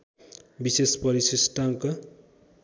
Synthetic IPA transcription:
bisespʌɾisisʈʌmkʌ

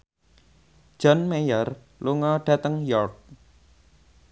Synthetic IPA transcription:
d͡ʒ̥ɔnmejɔr | luŋɔɖ̥ä̤t̪əŋjɔrk̚

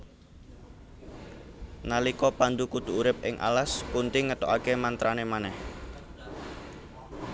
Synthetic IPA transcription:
nalikɔpand̪ukut̪uuɾɪp̚ʔɪ̰ŋʔa̰laspunt̪ɪŋːət̪ɔ̰ʔakemant̪ɾanemanɛh

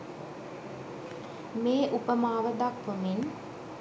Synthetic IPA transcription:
meːʔupəmaːʋəd̪akʋəmin

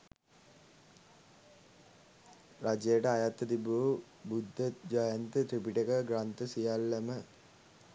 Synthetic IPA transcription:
ɾad͡ʒejəʈəajat̪ːəd̪ibu | bud̪ʱːəd͡ʒajənt̪ət̪ɾipiʈəkəɡɾant̪əsijalːɐmə

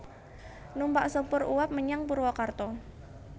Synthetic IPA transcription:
numbaʔsəpʊɾṵwap̚məɲaŋpuɾwɔkart̪ɔ

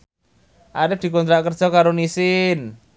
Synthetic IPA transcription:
ʔaɾɪfd̪̥i̤kɔnt̪ɾaʔkərd̥ʒ̥ɔkaɾonisɪn

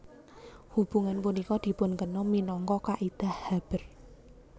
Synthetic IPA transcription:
hub̥ṳŋanpunikɔd̪̥i̤pʊnkənɔminɔŋkɔkaʔid̪̥ahhab̥ə̤r

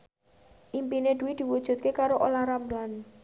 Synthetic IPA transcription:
ʔimpined̪̥uwid̪̥i̤wud̥ʒ̥ṳt̪̚kekaɾoʔolaɾamlan

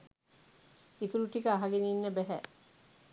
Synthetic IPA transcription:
it̪uɾuʈikəaɦaɡeniːnːəbæɦæ̰

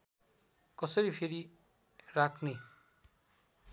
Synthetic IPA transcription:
kɔsʌɾipʰeɾi | ɾakʰni

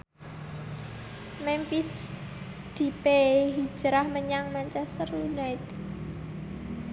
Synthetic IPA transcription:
mɛmfis | d̪̥i̤peɦi̥d͡ʒ̥əɾahməɲaŋmaɲt͡ʃɛst̪ərunaɪt̪

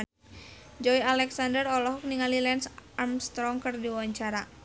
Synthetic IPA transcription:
d͡ʒɔialɛksandərɔlɔɦɔk̚niŋalilɛnsarmst̪ɾɔŋkɨrdiwawaɲt͡ʃaɾa

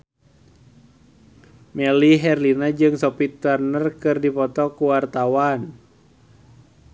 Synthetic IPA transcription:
mɛliɦɛrlinad͡ʒɨŋsɔpit̪ərnərkɨrdipɔt̪ɔkuwart̪awan

